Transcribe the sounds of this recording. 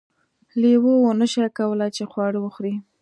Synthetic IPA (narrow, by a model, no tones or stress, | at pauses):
lewowonəʃakawəlat͡ʃexwɑɽwəxɾi